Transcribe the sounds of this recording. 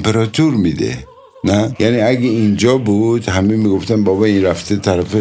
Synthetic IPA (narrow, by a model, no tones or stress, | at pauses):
mpeɾɔt̪ʰuɾmid̪ḛ | najaniaɡeind͡ʒɔbud̪hamemiɡoft̪anbɔbɔinɾaft̪ʰet̪ʰaɾafe